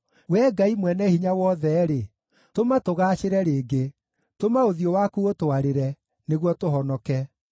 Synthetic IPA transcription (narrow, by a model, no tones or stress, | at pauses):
wɛːɡaimwɛnɛhiɲawɔðɛɾe | tomatoɣaːɕeɾɛɾeːɡe | tomaoðiowakuotoaɾeɾɛ | neɣwɔtoɦɔnɔkɛ